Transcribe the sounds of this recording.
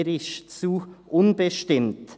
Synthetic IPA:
ɾɪʃt͡suːʔʊnbəʃtɪmt

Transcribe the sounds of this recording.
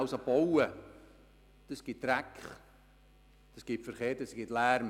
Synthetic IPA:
wsɑbowə | d̥əsɡ̥ɪt̚d̥ɾækχ | d̥əsɡ̥ɪpfəɾχeːɾdəsɡ̥ɪtlæːɾm

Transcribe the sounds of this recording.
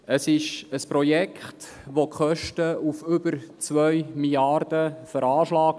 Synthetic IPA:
əsɪʃəspɾojɛkχt | ʋokχœʃtəufʏbəɾt͡sʋœɥmiljɑrdəfəɾɑːʃlɑːk

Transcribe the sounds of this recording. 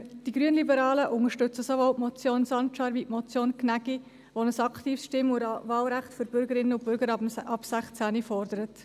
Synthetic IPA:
d̥iɡ̥ɾyənlibəɾɑːləʔʊŋəʃtʏt͡səsoʋɔlʔmɔt͡sjoːnsɑntt͡ʃɑɾviʔmɔt͡sjoːnknæɡi | ʋɔnəsɑktiːfsʃtɪmʊɾɑvɑːlɾæχtføɾb̥ʏɾɡəɾɪnːəʊbʏɾɡəɾɑpsæχt͡sænifɔrdəɾət

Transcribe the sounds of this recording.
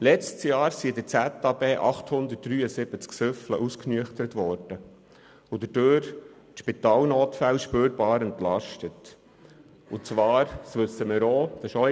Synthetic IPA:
lɛt͡stsjɑːɾsiɪd̪əɾt͡sɛt̪ːɑbeːʔɑχt̪hʊnd̪ət̚d̥ɾyːəsɪb̥ət͡sksʏflə̰ʔusknyəχt̪əɾət̪ʋɔːɾd̥ə | ʊd̪əd̥øːɾ | tʃpit̪ɑːlnoːt̪fælʃpøːɾbɑːɾɛntlɑʃtət | ʊt͡sʋɑːɾsʋɵsːəmɪɾoːd̥ɑʃɔ

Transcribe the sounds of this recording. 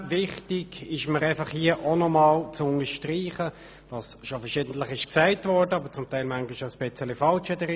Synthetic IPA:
vɪχtiɡ̥ɪʃməɾæɪfɑχhiəʔonɔmɑːlt͡sʊŋəʃtriːχə | vɑːsʃofəʃɪːdn̩tləχɪʃksæɪtvɔɹdəɑbət͡sʊmtæɪlmæŋɡɪʃaspɛt͡sɛlifɑlt͡ʃɛdəɾi

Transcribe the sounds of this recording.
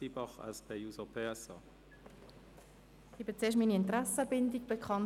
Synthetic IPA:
ibɑχa̰lspʰɛjuːzəpʰesɐ̰ | ibit͡seːɐʃtmiːniɪntʁɛsəbɪndiɡ̚b̥əkχɑn

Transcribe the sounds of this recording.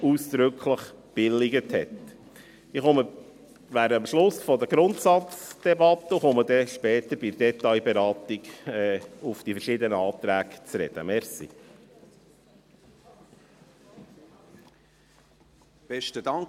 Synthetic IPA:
uːsd̪̥ɾʏkχləχ | b̥ɪlɪɡəthɛt̪ | iχɔmə | ʋæːɾəmʃlʊsfɔd̪əɡɾʊnt̪sɑt͡sd̪̥ɛbɑt̪ːəuχɔməd̪ɛʃpɛːt̪əɾb̥ɪd̥ɛt̪ɑɪjbɛɾɑːt̪iɡɛufd̥ifəɾʃɪːd̪ənəɑːt̪ɾæːɡt͡sɾɛ̰d̪̥ə̰mɛɾsḭ | b̥ɛʃtədɑŋ

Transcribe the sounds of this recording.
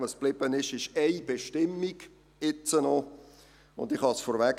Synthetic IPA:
vəsb̥lɪb̥ənɪʃɪʃɛɪb̥eʃtɪmːiɡ̥ | ɪt͡sənɔ | ʊ̰ndɪχhɑsfɔɾvæɡ

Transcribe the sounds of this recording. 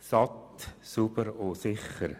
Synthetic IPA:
sɑt̪subəɾosɪχəɾ

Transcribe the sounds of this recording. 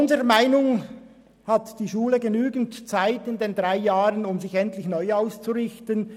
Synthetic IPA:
ʊnzəʁəmaɪnʊŋ | hatd̥iːʃuːləɡenyːɡn̩tt͡saɪtɪndeːndʁaɪjaːʁənʊmzɪçɛntlɪçnɔʏaʊst͡suʁɪçtən

